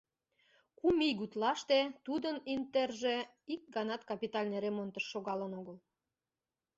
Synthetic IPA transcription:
kumiɣut̪lɑʃt̪et̪ud̪ənint̪erʒe | ik̚ɡɑnɑt̪kɑpit̪ɑlʲneremont̪əʃːoɣɑlənoɣəl

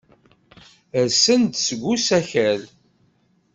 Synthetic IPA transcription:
əɾsənd̪səɡʷːusæçæl

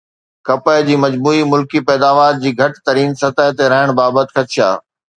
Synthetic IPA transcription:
kɐpəɪd͡ʑiːmɐd͡ʑbuːimʊlkipɛːd̪aːʋaːɾd͡ʑiːɡʱɐʈt̪ɐɾiːnsɐt̪əɦt̪eɾɐɦɪɽ̃baːbət̪ɪ̥xʰɐt͡ɕʰija̰ː

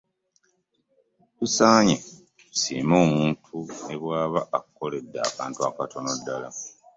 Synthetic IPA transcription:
tusaːɲe | siːmo̞ːmuːntʰueβwaːβaʔːkuko̞le̞dːa̰ːkaːntuakatʰo̞no̞dːala

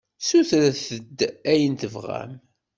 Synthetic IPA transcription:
suθɾæθəd̪ːæjənt̪əvʁæ̰m

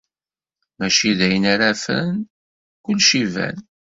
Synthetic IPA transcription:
mæʃiðæjənaɾæfə̰n | kʊlːʃivæ̰n

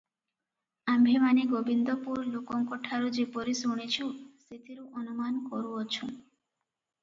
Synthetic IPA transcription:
ambʱemaniɡobind̪ɔpuɾlokɔŋkɔʈʰaɾud͡ʒepɔɾisuɽ̃it͡ʃʰuset̪ʰiɾuʔɔnumanɔkɔɾuɔt͡ʃʰu

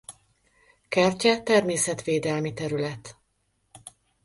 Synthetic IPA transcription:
kɛrcɛt̪ɛrmeːsɛt̪ʋeːd̪ɛlmit̪ɛɾylɛt̪

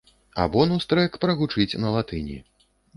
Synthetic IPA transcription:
a̰bɔnɐst̪ɾɛkpɾɐɣut͡ʂɨt͡sʲnɐlˠat̪ɨnʲḭ

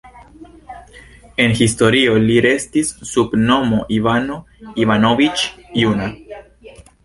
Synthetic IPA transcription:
e̞nxist̪o̞ɾio̞liɾe̞st̪isːubno̞moʔivano | ivanovit͡ʃjuna

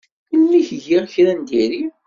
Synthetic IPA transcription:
əlːiçʝiʁçɾænd̪iɾi

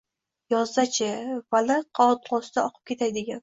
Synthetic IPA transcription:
jɒzd̪at͡ʃʰɪvalɪqʰɑɒt̪lɒsd̪aɒqʰɨ̥p̚kʲe̞t̪ʰajd̪ɪɡʲan

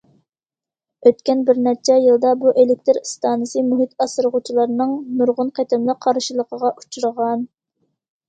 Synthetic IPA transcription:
øt̪kʲɛnbɪɾnɛt͡ʃʰɛjɨlˠd̪ɑbuʔelɪk̚ʲt̪ʰɪɾst̪ɑːnɨsɨmuɦit̪ʰɑsɨɾʁʊt͡ʃʰilˠɑɾnɨŋmuɾʁʊnqʰet̪ɪmlˠəq̚qʰːɑɾʃilˠəqʰəʁɑʔut͡ʃʰuɾəʁɑn

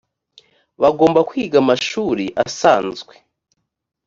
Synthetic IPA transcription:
βaɡo̞ːmbakwiːɡamaʃuɾiʔa̰saːnzɡwe

